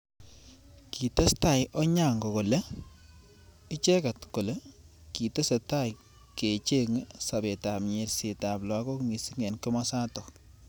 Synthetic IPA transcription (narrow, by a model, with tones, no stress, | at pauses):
ki˨te˦sta˨jʔɔ˦ɲa˦˨ŋɡɔ˨ko˨le˦ | ɪ˦t͡ʃe˦ka˨tko˨le˦ki˨te˦se˨ta˦j | ke˨t͡ʃe˦ŋsa˨be˨ta˨pɲe˨ɾse˨ta˨plɔ˨a˦kɔ˦kŋi˨si˦ŋe˨nkɪ˦mɔ˦sa˦tɔ˨